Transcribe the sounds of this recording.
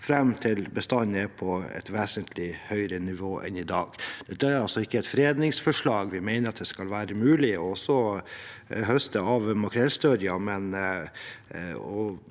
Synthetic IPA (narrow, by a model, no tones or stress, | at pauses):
fɾɛmt̪ʰɪlbəst̪ɑnːəpʰɔɛ̰t̪ʋeːsənt̪ʰlɪhœʏɾənɪʋoːʔɛ̰nɪd̪ɑːɡd̪̥ɛt̪ʰææɾɑlsɔɪkːəɛɪt̪fɾeːd̪nɪŋsfɔʂɭɑːɡʋɪmeɪnəɾɑt̪̚d̪ɛskɑlʋæːɾəmʉːlɪɔɔsɔ | ɦœst̪əɑʋmɑkɾɛlst̪œɾjɑmɛn | ɔ